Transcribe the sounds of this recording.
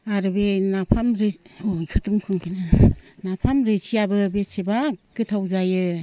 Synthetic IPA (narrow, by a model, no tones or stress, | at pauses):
aɾɯbenapʰamɾeojkʰɯtumkʰɯŋpʰinɯnapʰamɾɯsʰijabɯbesebakɯtʰawzajɯ